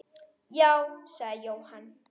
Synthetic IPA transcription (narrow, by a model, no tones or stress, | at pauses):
jawsajowhan